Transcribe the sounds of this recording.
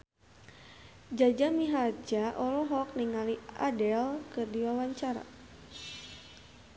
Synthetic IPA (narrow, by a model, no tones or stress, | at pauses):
d͡ʒad͡ʒamiɦard͡ʒaʔɔlɔɦɔk̚niŋalia̰dɛlkɨrdiwawaɲt͡ʃaɾa̰